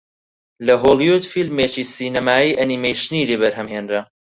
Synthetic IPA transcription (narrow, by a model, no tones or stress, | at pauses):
lɐɦolˠiud̪filmeːt͡ʃiːsiːnɐmaːiːʔɐnimejʃnidiβɐɾɦɐmheːnɾɐ